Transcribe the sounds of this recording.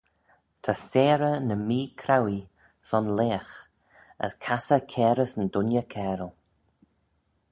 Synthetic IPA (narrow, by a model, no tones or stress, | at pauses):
t̪ʰasɛːɾənəmiːkʰɾawi | sɔnleːx | ə̰skʰasəkʰɛːɾəsəndʊnjəkʰɛːɾəlˠ